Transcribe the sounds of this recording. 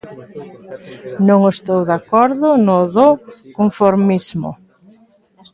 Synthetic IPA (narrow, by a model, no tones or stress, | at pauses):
nõŋest̪owðakɔɾðʊnʊðokoɱfoɾmizmʊ̰